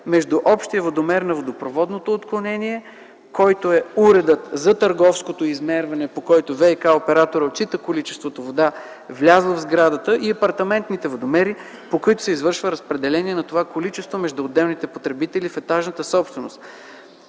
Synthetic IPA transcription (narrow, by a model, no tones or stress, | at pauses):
mɛʒd̪uʔɔpʃt̪iəvod̪omɛɾnɐvod̪opɾovɔd̪not̪oːt̪klˠonɛniɛ | kɔjt̪oɛuɾɛd̪ət̪zɐt̪əɾɡɔfskot̪oizmɛɾvɐnɛpokɔjt̪ovɛjkaopɛɾat̪oɾəot̪t͡ʃit̪əkolit͡ʃɛ̥st̪vot̪ovod̪a | vlʲazlˠəvzɡɾad̪ət̪əʔiɐpɐɾt̪ɐmɛnt̪nit̪ɛvod̪omɛɾi | pokoit̪ʊ̥sɛizvɤɾʃvəɾəspɾɛd̪ɛlɛniɛnɐt̪ovakolit͡ʃɛst̪vomɛʒd̪uːd̪ːɛlˠnit̪ɛpot̪ɾɛbit̪ɛlifɛt̪aʒnət̪əsɔpst̪vɛnost̪